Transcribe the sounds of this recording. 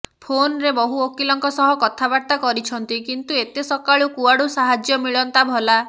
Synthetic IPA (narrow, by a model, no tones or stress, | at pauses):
pʰonɾebɔɦuokilɔŋkɔsɔɦɔkɔt̪ʰabaɾt̪akɔɾit͡ʃʰɔnt̪ikint̪uet̪esɔkaɭukuaɽusaɦad͡ʒjɔmiɭɔnt̪abʱɔla